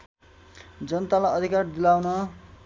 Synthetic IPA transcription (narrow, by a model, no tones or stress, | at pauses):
d͡zʌnʌt̪alajʌd̪ʱikard̪ilawnʌ